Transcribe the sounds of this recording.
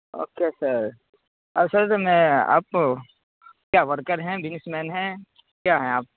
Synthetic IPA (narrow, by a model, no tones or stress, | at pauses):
o̰ːkesəɾ | ɐbsɐɾtmɛ̃a̰ːp̚ | kjaːʋɐɾkəɾɦɛ̃ʋɪnɪsmɛːnɦɛ̃ | kjaːɦɛ̃aːp̚